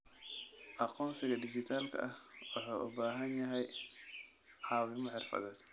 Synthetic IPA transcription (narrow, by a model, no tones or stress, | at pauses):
ʔɑqɔːnsɪɣɐdɪd͡ʒɪt̪ʰaːlkʰɐ̰ʔɐhwɑħaːʔʊbaːɦɐnjɐɦɛj | ʕɑːwɪmɔħɪrfɐ̰ðɛːd̪̥